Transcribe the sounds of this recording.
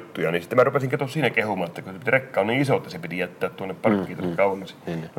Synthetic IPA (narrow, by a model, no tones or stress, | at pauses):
t̪ːujɑnisit̪ːemærupesiŋket̪ossiːnækehumɑːet̪ːækusepit̪rekːɑoniisot̪ːɑsepit̪ijæt̪ːæːt̪t̪uonːeppɑrkːiːt̪onːekkɑuwˑenːɑsi